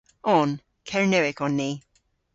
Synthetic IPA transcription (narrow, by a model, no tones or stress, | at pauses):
ɔn | kʰɛɹnɛwɪkɔnːiː